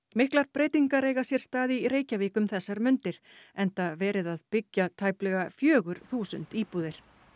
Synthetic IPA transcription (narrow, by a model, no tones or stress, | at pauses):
mɪhklaɾpɾeːjt̪iŋkaɾeːjɣasjɛɾ̥st̪aːðiɾeːjcaviːkʏmθɛsːaɾmʏnt̪ɪɾ̥ɛnt̪avɛːɾɪðaðpɪcːat̪ʰaːjplɛɣafjœːɣʏɾ̥θuːsʏ̰n̥t̪iːpuðɪɾ̥